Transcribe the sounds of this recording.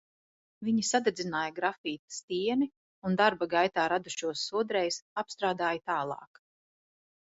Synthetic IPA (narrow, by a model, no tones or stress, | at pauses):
viɲisad̪ed̪zinaːjaɡɾafiːt̪st̪iɛni | und̪aɾbaɡajt̪aːɾad̪uʃuɔsːuɔd̪ɾɛjsapst̪ɾaːd̪aːjat̪aːlˠɑ̰ːk